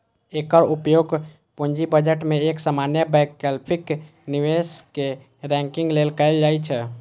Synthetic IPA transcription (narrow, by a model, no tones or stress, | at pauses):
ekəɾupjoɡ | puɲd͡ʒibəd͡ʒəʈmeeksəmanjəbɛkɛlpʰik | niʋeske | ɾɛ̃ŋkĩŋɡlelkəɪld͡ʒajt͡ʃʰɛ